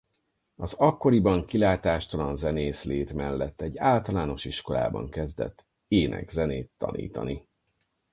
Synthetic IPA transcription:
ɒzɒkːo̞ɾibɒŋkilaːt̪aːʃt̪ɒlɒnzɛneːsleːt̪mɛlːɛt̪ːɛɟːaːlt̪ɒlaːno̞ʃiʃko̞la̰ːbɒ̰ŋkɛzd̪ɛ̰t̪ː | eːnʔɛ̰ɡzɛneːt̪ːɒ̰nḭːt̪ɒ̰ni

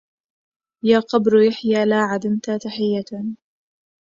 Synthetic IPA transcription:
jaːqɑbɾjaħjaːlaːʕad̪ɪmt̪at̪aħɪjːa

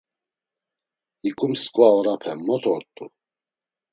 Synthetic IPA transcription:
ikʼumskʼwaɔɾapʰɛmːɔt̪ʰɔɾt̪ʼu

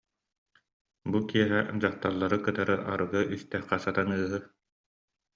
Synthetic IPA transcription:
bukiɛɦɛd͡ʑaχt̪aɾlˠːaɾɯkɯt̪aɾɯʔa̰ɾɯɡɯʔist̪ɛχqɛsat̪anɯːɦɯ

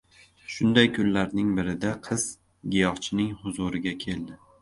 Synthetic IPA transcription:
ʃʊnd̪ajkʰʊnlaɾnɪŋbɪɾɪd̪aqʰɨz̥ | ɡʲɪjɒχt͡ʃʰɪnɪŋhʊzʊɾɪɡʲakʲʰe̞ld̪ɪ

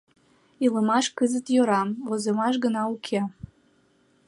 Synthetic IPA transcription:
iləmɑʃkəzət̪jøɾɑmozəmɑʃ̬ɡənɑukʲʰe

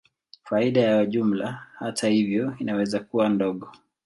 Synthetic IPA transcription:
faiɗajawaʄum̩lahatʰahivjɔinawɛzakuwandɔɠɔ

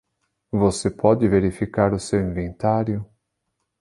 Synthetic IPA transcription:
vosepʰɔd͡ʒɪveɾifikaɾʊsewĩvẽnt̪aɾjʊ

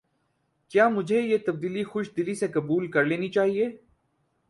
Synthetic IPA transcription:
kjaːmʊd͡ʒʱejet̪ɐb̚d̪iːlixʊʃd̪ɪlisekɐbuːlkɐɾleːnit͡ʃaːɦieː

